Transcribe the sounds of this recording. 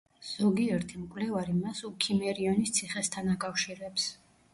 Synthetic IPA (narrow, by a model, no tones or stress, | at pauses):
z̥ɔɡiɛɾt̪ʰimkʼvlɛvaɾimasukʰimɛɾiɔnist̪sʰiχɛst̪ʰanakʼafʃiɾɛps